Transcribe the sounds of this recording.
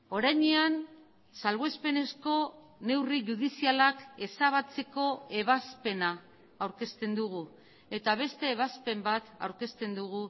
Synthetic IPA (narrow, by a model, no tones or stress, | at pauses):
o̞ɾajɲean | salβespe̞ne̞sko̞ | ne̞wriʝuðisialake̞saβ̞at͡se̞ko̞e̞β̞aspe̞naː | wɾke̞st̪e̞nd̪uɣu | e̞t̪aβ̞e̞st̪e̞ːβaspe̞mbat̪a̰wɾke̞st̪e̞nd̪uɣu